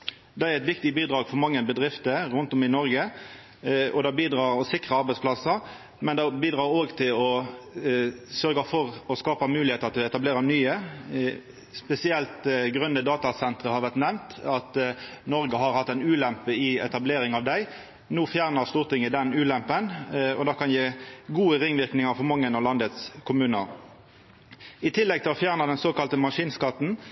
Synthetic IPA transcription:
d̪ɛæɾɛt̪ʋɪkt̪ɪbiːd̪ɾɑːɡfɔɾmɑŋːəbəd̪ʁɪft̪əɾʉnt̪ɔmɪnɔɾɡə | ɔd̪ɑːbiːd̪ɾɑːɾɔsɪkʁəɑɾbɛɪtspʰlɑsəɾ | mɛnd̪ɑbiːd̪ʁɑːɾoːɡt̪ʰɪlɔ | sœɾɡəfɔɾɔskɑːpəmʉːlɪheːt̪ɑt̪d̪ʉɛt̪ɑbleːɾənyːə | spɛsɪɛlt̪ɡʁœnəd̪ɑːt̪ɑsɛnt̪ʁəhɑɾʋæʁt̪nɛmt̪ɑt̪nɔɾɡəɦɑʁhɑt̪ːæɪnʉːlɛmpəɪɛ̰t̪ɑbleːɾɪŋɑʋd̪æɪ | nuːfjæːʁnəʁst̪uːʁt̪ʰɪŋːəd̪ɛnʉːlɛmpənɔd̪ɑːkʰɑnjeːɡuːəʁɪŋːʋɪʁknɪŋɑʁfɔʁmɑŋːənɑlɑnd̪ət̪skʰʊmʉːnə̰ʁ | ɪt̪ʰɪlːɛɡ̚t̪ʰɪlɔfjæːʁnɑd̪ɛnsoːkɑlt̪əmɑʂiːnskɑt̪n̩

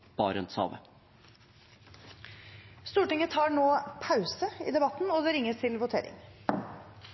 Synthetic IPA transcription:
b̥ɑːɾɛnsɑ̰ːʋə̰ | st̪uːʈɪŋət̪ʰɑːɳoːpʰɑʉsəḭːd̪ɛbɑt̪nɔd̪ɛɾɪŋːəst̪ʰɪlʋʊt̪ʰḛːɾɪ̰ŋ

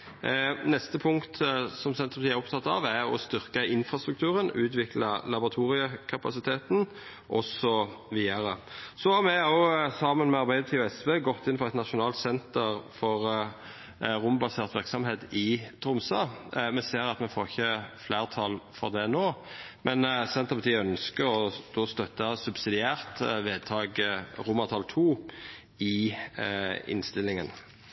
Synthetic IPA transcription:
nɛst̪əpʰʊŋkt̪sɔmsɛnəʁpɑt̪ʰiːæɾʊp̚t̪ʰɑt̪ːɑʋæɔ̰st̪ʏʁkəʔɪnfʁɑst̪ɾʉkt̪ʰʉːɾənʉːt̪ʋɪklɑlɑbʊʁɑt̪ʰuːʁɪəkʰɑpɑsɪt̪ʰeːt̪n | ʔɔsɔʋiːəɾəsɔhɑmɛɑʊsɑmənmɛɑɾbæɪd̪ət̪ʰiːɔɛsʋeːɡɔt̪ːɪnpfɔʁɛɪt̪nɑtʃʊnɑːlt̪sɛnt̪əɾfɔʁ | ʁʊmbɑseːʁt̪ʋɪɾksɑmheːt̪ɪt̪ʰɾʊmsɑːmɛseːɾɑt̪mɛfoːʁɪçːəflæːʁt̪ʰɑlfɔʁd̪ɛnoːmɛnsɛnt̪əpɑt̪ʰiːœnskəɾɔd̪̥oːst̪œt̪ːɑsʉbsɪd̪ɪæːʁt̪ʋeːd̪̚t̪ʰɑːɡɾʊməʁt̪ʰɑlt̪ʰuː | ɪ | ɪ̰nst̪ɪlːɪŋən

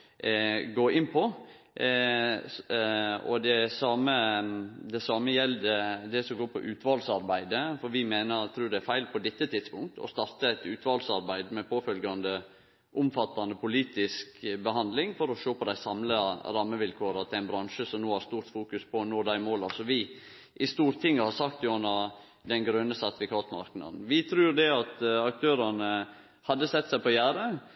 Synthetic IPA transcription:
ɡoːɪnpʰɔ | ɔ̰d̪ɛsɑːməd̪ɛsɑːməjɛld̪ɛd̪ɛsɔmɡoːɾpʰɔ̰ʔʉːt̪ʰʋɑlsɑɾbæɪd̪əfɔɾʋɪmeːnəɾt̪ʰɾʉːɖ̪ɛæɾfæɪlpʰɔd̪ɛt̪ːət̪ʰɪd̪spʊŋk̚t̪ʰɔ̰st̪ɑɾt̪əæɪt̪ʉːt̪ʰʋɑlsɑɾbæɪd̪mɛpʰoːfœlɡɑnd̪ə | ʔʊmfɑt̪ːɑnəpʰʊliːt̪ɪskbəhɑnd̪lɪŋfɔɾɔʃoːpʰɔd̪æɪsɑmləɾɑmːəʋɪlkʰoːɾɑt̪ʰɪæɪnbɾɑnʃəsɔmnoːæɾst̪uːɾt̪fuːkʉspʰɔnoːd̪æɪmoːlɑsɔʋɪ | ʔɪst̪uːɾt̪ʰɪŋːəhɑɾsɑkt̪jʊɔnːəɾ | d̪ɛnɡɾœnːəsɑt̪ɪfɪkʰɑːt̪mɑ̰ɾknɑ̰d̪n̩ʋɪt̪ʰɾʉːɾd̪ɛɑt̪ɑk̚t̪ʰøːɾɑnə | hɑd̪ːəsɛt̪ːsæɪpɔjæːɾə

